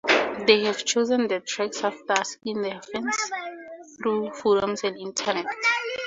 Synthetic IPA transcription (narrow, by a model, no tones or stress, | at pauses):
ðeɦɛv̥t͡ʃozə̃ndətʰɹɛksafdaskĩndɛfɛ̃ns | θɹufɔɾɔ̃msɛ̃nĩntʰənɛt